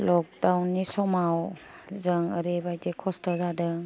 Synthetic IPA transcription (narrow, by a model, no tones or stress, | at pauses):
lɔk̚dawnːisɔmawzəŋəɾebajdekʰɔstɔzadɯŋ